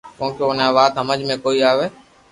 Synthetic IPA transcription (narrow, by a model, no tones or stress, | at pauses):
kõːkoonãʋaːt̪ɦəməd͡ʒmẽkoːiaːʋeː